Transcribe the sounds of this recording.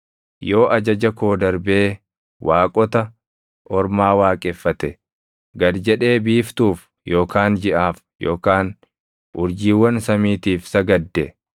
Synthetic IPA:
jo̞ːʔɐd͡ʒɐd͡ʒɐko̞ːd̪ɐɾbeː | wʔaːkʼɔt̪ɐ | ʔɔɾmaːwaːkʼɛfːɐt̪ɛ | ɡɐd̪d͡ʒɛᶑe̞ːbiːft̪uːf | jo̞ːkaːnd͡ʒɪʔaːf | jo̞ːkaːn | ʔʊɾd͡ʒiːwːɐnsɐmiːt̪iːfsɐɡɐd̪ːɛ

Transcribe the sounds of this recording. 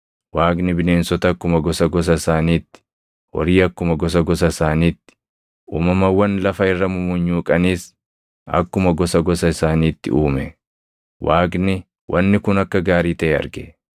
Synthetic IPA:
waːɡnɪbɪneːnsɔt̪ɐːkːʊmɐɡɔsɐɡɔs̬ɐɪsaːniːt̪ːɪ̥ | wɔ̰ɾiːɐkːʊmɐɡɔs̬ɐɡɔs̬ɐɪsaːniːt̪ːɪ̥ | ṵːmɐmɐwːɐnlɐfɐɪrːɐmʊmʊɲːuːkʼɐniːs | ɐ̰kːʊmɐɡɔsɐɡɔsɐɪsaːniːt̪ːɪ̰uːmɛ | waːɡnɪ | wʔɐnːɪkʊnɐkːɐɡaːɾiːt̪ɐʔɛɐ̰ɾɡɛ

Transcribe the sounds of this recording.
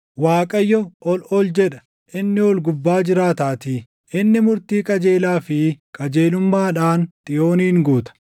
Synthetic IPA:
waːkʼɐjːɔɔlɔld͡ʒɛᶑɐ̥ | ʔɪnːɪɔlɡʊbːaːd͡ʒɪɾaːt̪aːt̪iː | ɪnːɪmʊɾt̪iːkʼɐd͡ʒe̞ːlaːfɪkʼɐd͡ʒeːlʊmːaːᶑaːnt̪ʼɪjo̞ːniːŋɡuːt̪ɐ̥

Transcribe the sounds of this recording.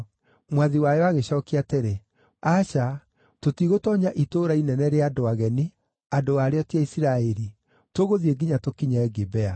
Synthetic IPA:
mwaðiwajɔaɣeɕɔːkeateɾe | aɕa | totiɣotɔːɲaʔitoːɾainɛnɛɾeadoaɣɛni | adoaɾeɔtiaisiɾaeɾi | toɣoðieɡiɲatokiɲaɛɡebɛa

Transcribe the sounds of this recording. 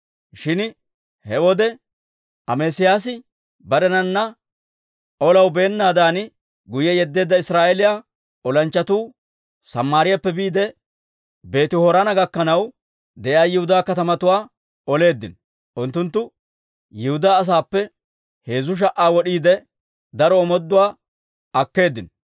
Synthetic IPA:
ʃɪn | hɛwɔd̪ɛ | ɐmeːsɪjaːs̬ɪ | bɐɾɛnɐnːɐ | ɔlɐwbe̞ːnːaːd̪aːn | ɡʊjɛjɛd̪ːe̞ːd̪ːɐɪsɾaːʔɛlɪja | ɔlɐnt͡ʃːɐt̪uː | sɐmːaːɾɪjapːɛbiːd̪ɛ | be̞ːt̪ɪhɔɾanɐɡɐkːɐnɐw | d̪ɛʔjaːjɪhʊd̪aːkɐt̪ɐmɐt̪ʊwaː | ɔle̞ːd̪ːɪn | ʔʊnt̪ːʊnt̪ːʊ | jɪhʊd̪aːs̬aːpːɛ | he̞ːzʊʃ̬ɐʔaːwɔɗiːd̪ɛ | d̪ɐɾɔːmɔd̪ːʊwaː | ɐkːe̞ːd̪ːɪn

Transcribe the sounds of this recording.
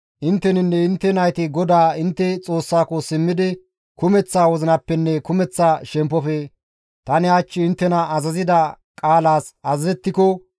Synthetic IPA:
ʔɪnt̪ːɛnɪnːɛɪnt̪ːɛnɐjt̪ɪɡɔd̪aːɪnt̪ːɛt͡sʼo̞ːsːaːkɔsɪmːɪd̪ɪ | kʊmɛt͡sːaːwɔzɪnɐpːɛnːɛkʊmɛt͡sːaːʃɛmpːɔfɛ | t̪ɐnɪat͡ʃːɪɪnt̪ːɛnɐɐzɐzɪd̪ɐ | kʼaːlaːsɐzɐzɛt̪ːɪkɔ

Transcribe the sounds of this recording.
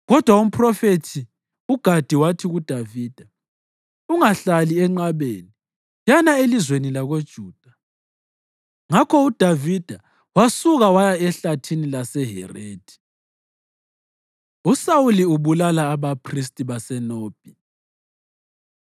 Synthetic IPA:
ɣɔd̥ʱwaum̩pʰʼrɔfetʰi | uɡ̥ʱad̥ʱiwatʰiɣud̥ʱaviːd̥ʱa | uŋaɬaliɛŋ͡ǃaβḛni | janaelizwenilaɣod̥ʒ̥ʱuːd̥ʱa | ŋakʰɔud̥ʱavid̥ʱa | wasuɣawajaɛɬatʰinilasɛɦɛ̰reːd̥ʱi̥ | usawuliuβulalaːβapʰris̬tʼiβasɛnoːb̥ʱi

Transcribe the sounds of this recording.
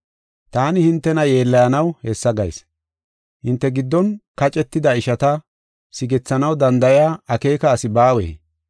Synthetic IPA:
t̪aːnɪhɪnt̪ːɛnɐje̞ːlːɐjɐnɐwhɛsːɐɡɐjs | hɪnt̪ːɛɡɪd̪ːɔnkɐt͡ʃʼɛt̪ːɪd̪ɐɪʃɐt̪ɐ | sɪɡɛt͡sːɐnɐwd̪ɐnd̪ɐjaːɐke̞ːkɐːsɪbaːwḛː

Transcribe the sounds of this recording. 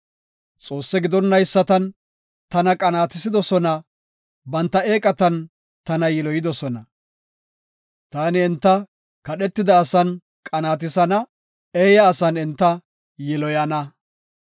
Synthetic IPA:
t͡sʼo̞ːsːɛɡɪd̪ɔnːɐjsːɐt̪ɐn | t̪ɐnɐkʼɐnaːt̪ɪsɪd̪ɔsɔnɐ | bɐnt̪ːɐeːkʼɐt̪ɐn | t̪ɐnɐjɛlɔjɪd̪ɔsɔnɐ | t̪aːnɪɛnt̪ːɐ | kɐɗɛt̪ːɪd̪ɐːsɐn | kʼɐnaːt̪̬ɪsɐnɐ | eːjɐːsɐnɛnt̪ːɐ | jɛlɔjɐnɐ

